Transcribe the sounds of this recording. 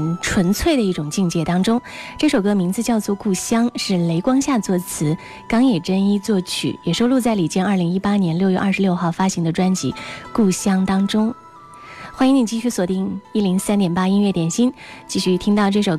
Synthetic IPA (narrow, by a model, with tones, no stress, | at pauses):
ʈ͡ʂʰwə˧˥nt͡sʰwe˥˩ɪd̪ə˩i˥˩ʈ͡ʂʊ˨˩ŋt͡ɕi˥˧ŋt͡ɕjɛ˥˩t̪ɑ˥ŋʈ͡ʂʊ˥ŋʈ͡ʂɤ˥˩ʂo˨˩ʊkɤ˥mi˧˥ŋd͡zɹ̩˧t͡ɕjɑ˥˧ʊt͡swɔ˥˧ku˥˩ɕjɑ˥ŋʂɻ̩˥˩le˧˥ɪkwɑ˥ŋɕja˥˧t͡swɔ˥˩t͡sʰɹ̩˧˥ | kɑ˥ŋjɛ˨˩ʈ͡ʂə˥ni˥t͡swɔ˥˩t͡ɕʰy̰˨˩jɛ˨˩ʂo˥ʊlu˥˧t͡sa˥˩ɪli˨˩t͡ɕjɛ˥nɐ˞˥˩li˧˥ŋi˥pa˥njɛ˧˥nljo˥˧ʊɥɛ˥˧ʔɐ˞˥˩ʂɻ̩˧ljo˥˧ʊxɑ˥˩ʊfa˥ɕi˧˥ŋd̪ə˧ʈ͡ʂwa˥nt͡ɕḭ˧˥ku˥˩ɕjɑ˥ŋt̪ɑ˥ŋʈ͡ʂʊ˥ŋ | xwa˥ni˧˥ŋni˨˩t͡ɕi˥˧ɕy˥˩swɔ˨˩t̪i˥˩ŋi˥˩li˧˥ŋsa˥nt̪jɛ˨˩npa˥i˥nɥɛ˥˩t̪jɛ˨˩nɕi˥n | t͡ɕi˥˧ɕy˥˩t̪ʰi˥ŋt̪ɑ˥˧ʊʈ͡ʂɤ˥˩ʂo˨˩ʊ